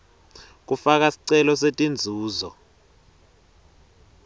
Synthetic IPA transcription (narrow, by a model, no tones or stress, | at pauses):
k̬ufak̬asi̥ǀɛlɔsetʼind͡zʱuːzɔ